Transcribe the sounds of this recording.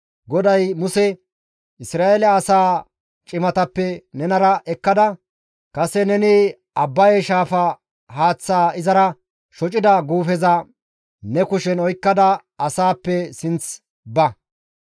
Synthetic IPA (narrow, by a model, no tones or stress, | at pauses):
ɡɔd̪ɐjmʊsɛ | ɪsɾaːʔelɛɐsaː | t͡ʃʼɪmɐt̪ɐpːɛnɛnɐɾɐʔɛkːɐd̪ɐ | kɐsɛnɛnɪ | ɐbːɐjɛʃaːfɐ | haːt͡sːaːɪzɐɾɐ | ʃɔt͡ʃʼɪd̪ɐɡuːfɛzɐ | nɛkʊʃɛnɔjkːɐd̪ɐ | ɐsaːpːɛsɪnt͡s | bɐ